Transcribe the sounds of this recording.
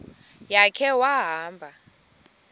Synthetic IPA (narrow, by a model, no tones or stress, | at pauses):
jakʰɛwaɦaːmbʱa